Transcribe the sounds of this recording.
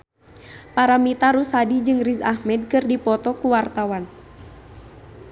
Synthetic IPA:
paɾamit̪aɾusadid͡ʒɨŋrizahmɛd̚kɨrdipɔt̪ɔkuwart̪awan

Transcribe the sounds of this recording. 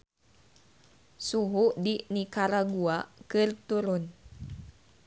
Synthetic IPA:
suɦuʔdinikaɾaɡuakɨrt̪uɾʊn

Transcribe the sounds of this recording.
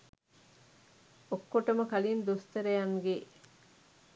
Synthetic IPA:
okːoʈɐmɐkɐlind̪ust̪ɐɾejaŋɡe

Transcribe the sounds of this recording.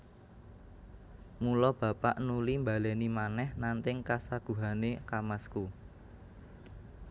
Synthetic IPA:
mulɔb̥ä̤paʔnulimbalɛnimanɛhnant̪ɪŋkasaɡ̥ṳɦanekamasku

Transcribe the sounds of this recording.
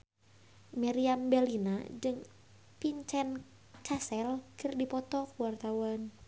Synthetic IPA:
maɾiambɛlinad͡ʒɨŋ | piɲt͡ʃɛn | t͡ʃasɛlkɨrdipɔt̪ɔkəwart̪awan

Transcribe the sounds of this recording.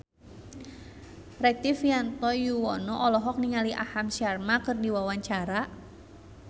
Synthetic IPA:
rɛk̚t̪ɪfjant̪ɔjuwɔnɔʔɔlɔɦɔk̚niŋaliʔahamsiarmakɨrdiwawaɲt͡ʃaɾa

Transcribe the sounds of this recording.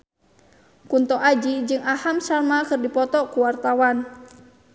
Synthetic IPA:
kunt̪ɔʔad͡ʒid͡ʒɨŋahamsarmakɨrdipɔt̪ɔkuwart̪awan

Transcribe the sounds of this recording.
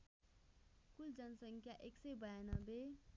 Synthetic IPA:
kuld͡zʌnʌsʌŋkʰjaʔeksʌjbʌjanʌbe

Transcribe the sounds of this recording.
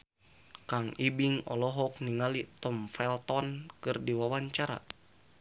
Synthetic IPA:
kaŋibiŋɔlɔɦɔk̚niŋalit̪ɔmfɛlt̪ɔnkɨrdiwawaɲt͡ʃaɾa̰

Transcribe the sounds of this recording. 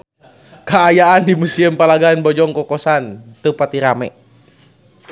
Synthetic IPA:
kaːjaandimusiəmpalaɡanbɔd͡ʒɔŋkɔkɔsant̪əpat̪iɾamɛ̰

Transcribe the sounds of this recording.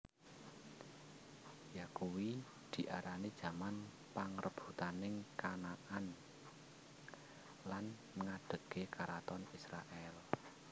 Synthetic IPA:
jakuwi | d̪̥i̤ʔaɾanid̥ʒ̥ä̤man | paŋrʔəb̥ut̪anɪŋkanaʔan | lan | məŋaɖ̥ə̤kekaɾat̪ɔnisɾa̰ʔɛl

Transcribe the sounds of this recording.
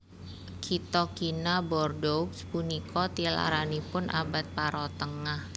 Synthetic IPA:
kʰit̪ɔkinabɔrdɔkspunikʰɔt̪ila̰ɾanipʊnʔa̰bat̪̚paɾɔt̪əŋah

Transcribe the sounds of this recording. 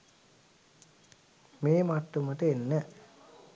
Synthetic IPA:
meːmat̪ːumət̪əenːə

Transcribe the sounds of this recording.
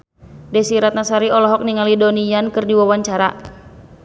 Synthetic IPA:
dɛsiɾat̪̚nasaɾiɔlɔɦɔk̚niŋalidonijankɨrdiwawaɲt͡ʃaɾa

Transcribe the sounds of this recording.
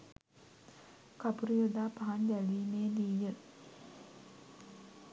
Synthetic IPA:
kapuɾijod̪aːpaɦaɲd͡ʒæliːneːnijə

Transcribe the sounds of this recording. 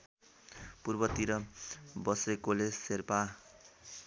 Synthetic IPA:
purbʌt̪iɾʌbʌsrekoled͡zserpa

